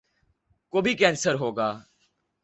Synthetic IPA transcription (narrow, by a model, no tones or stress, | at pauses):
koːbʱikɛ̃ːnsəɾɦoːɡaː